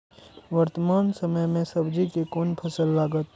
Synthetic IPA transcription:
ʋəɾt̪əmaːnsɐməjmẽsɐbd͡ʒikekoːnpʰɐsəlːaːɡət̪̚

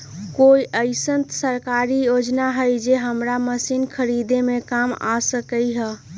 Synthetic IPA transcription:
koiʔəɪsənt̪səɾkaɾijod͡ʒnaɦəjd͡ʒeɦəmɾaməsinkʰəɾid̪emekama̰səkəjɦə

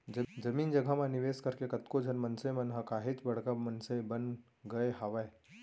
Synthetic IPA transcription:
d͡ʒəmiːnd͡ʒɐɡʱamãniʋeːskəɾkekɐt̪kod͡ʒʱɐnmɐnsemɐnɦəkaːɦet͡ʃbɐɽ̤kamənsebən | ɡɐeɦaʋae

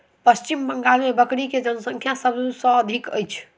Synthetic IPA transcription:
pəst͡ʃimbəŋɡalmebəkɽiked͡ʒənəsə̃ŋkʰjasəbusə̃ːd̪ʱikə̰jt͡ʃʰ

